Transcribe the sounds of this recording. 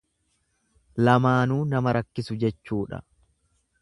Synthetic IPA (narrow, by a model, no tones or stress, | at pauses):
lɐmaːnuːnɐmɐɾɐkːɪsʊd͡ʒɛt͡ʃːuːᶑɐ̰